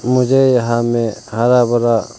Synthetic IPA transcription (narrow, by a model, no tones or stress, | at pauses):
mʊd͡ʒeɦamehaɾabəɾa